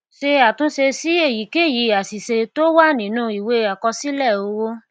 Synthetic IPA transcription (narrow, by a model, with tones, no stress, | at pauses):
ʃe˧a˨tũ˨˦ʃe˧si˨˦e˦˨ji˨˦ke˦˨ji˨˧˦a˨si˨se˧to˦wa˦˨nĩ˨˦nũ˦i˨we˦a˨kɔ˧si˦lɛ˦˨o˧wo˦